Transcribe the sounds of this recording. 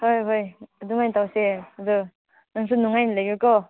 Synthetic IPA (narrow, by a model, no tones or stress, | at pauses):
hojɦojaduŋajntawseɐdu | naŋs̬unuŋajnlajɡɯkɔ